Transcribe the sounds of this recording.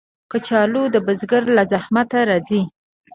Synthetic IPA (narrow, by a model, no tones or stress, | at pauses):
kət͡ʃɑlod̪əbəzɡaɾlazahmat̪aɾɑzi